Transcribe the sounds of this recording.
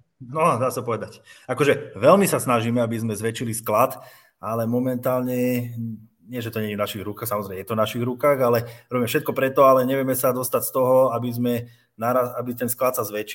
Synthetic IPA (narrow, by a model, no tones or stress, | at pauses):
nɔd̪aːsapɔʋɛd̪acakɔʒɛʋɛlmisasnaʒiːmɛabizmɛzʋɛt͡ʃilisklat̪ | ʔalɛmɔmɛnt̪aːlɲɛ | ɲɪɛʒɛt̪ɔɲɛɲivnaʃiɣɾukaːxsamɔzɾɛɪmɛjɛt̪ɔnaʃiɣɾukaːɣalɛɾɔbimɛfʃɛt̪̚kɔpɾɛt̪ɔalɛɲɛʋjɛmɛsad̪ɔst̪acst̪ɔɦɔabizmɛ | naɾaabit̪ɛnsklat̪sazʋɛt͡ʃ